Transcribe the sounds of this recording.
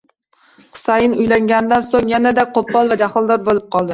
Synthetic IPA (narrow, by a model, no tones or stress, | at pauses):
χʊ̥sajɪnʊjlaŋɡʲanɪd̪ansoŋjanad̪aqʰopːɒlˠvad͡ʒaχɒlˠd̪ɒɾbolɪp̚qʰɒlˠd̪ɪ